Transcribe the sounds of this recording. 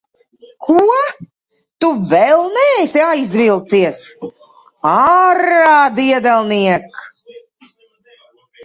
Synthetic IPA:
kʰuɔ | t̪uvɛlˠnɛːsiajzʲvilˠt̪siɛs | aɾaːd̪iɛd̪ɛlˠniɛk

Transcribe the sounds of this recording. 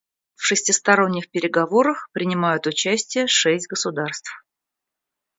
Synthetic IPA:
fʂɨsʲtʲɪst̪ɐɾo̞nʲːɪxpʲɪɾʲɪɡɐvo̞ɾəxpɾʲɪnʲɪmajʊt̪ʊt͡ɕæsʲtʲɪjəʂɛsʲtʲɡəsʊd̪arst̪f

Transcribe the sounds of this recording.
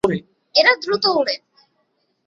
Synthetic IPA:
ɾe | eɾad̪ɾut̪oɦuɽe

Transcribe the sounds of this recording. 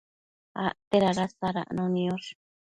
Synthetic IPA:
a̰t̪eɾaɾasaɾa̰ʔnõnĩoʂ

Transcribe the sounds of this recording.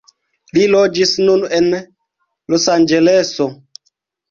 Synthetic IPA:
lilod͡ʒisnunen | losand͡ʒeleso

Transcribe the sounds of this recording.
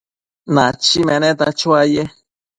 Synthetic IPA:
nãt͡ʃimɛ̃nẽt̪at͡ʃuaje

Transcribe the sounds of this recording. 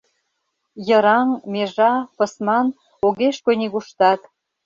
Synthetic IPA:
jə̆ɾɑŋmeʒɑpɤ̆smɑn | oɣeʃkonʲiɣuʃt̪ɑt̪

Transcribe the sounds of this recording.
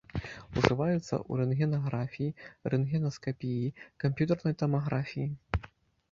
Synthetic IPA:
uʐɨvajut̪sːɐ̰ʔṵɾɛnɣʲɛnaɣɾafʲijirɛnɣʲɛnɐskapʲijikampʲjut̪ɐrnɐjt̪ɐmaɣɾafʲiji

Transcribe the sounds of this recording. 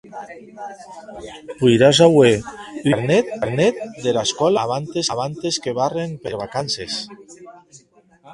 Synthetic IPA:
pujɾazaweleɾnɛt̪̚aɾnɛt̪̚d̪elaskɔlaβant̪esaβant̪eskeβ̞arempeɾβakanses

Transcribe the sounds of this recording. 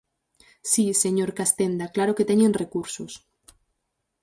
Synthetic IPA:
sise̞ɲoɾkast̪end̪aklaɾoket̪eɲenre̞kuɾsos

